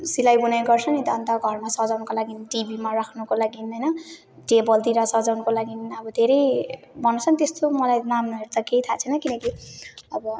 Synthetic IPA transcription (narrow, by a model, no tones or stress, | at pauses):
silajbunajɡʌrt͡sʰʌnit̪ʌnt̪aɡʱʌrmasʌd͡zawnʌkolaɡiniʈibimarakʰnʌkolaɡinɦʌjnʌ | ɖebʌld̪iɾʌsʌd͡zawnʌkolaɡiniʌbʌd̪ʱeɾʌj | bʱʌnːot͡sʰʌnt̪est̪omʌlajnamnueɾt̪akejt̪ʰat͡sʰenʌkinʌkiʌbʌ